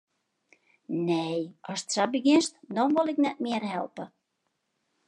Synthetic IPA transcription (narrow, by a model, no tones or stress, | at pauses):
nejɔstsabəɡɪnstdɔnʋolˠɪknɛt̚mɪərhɛlˠpə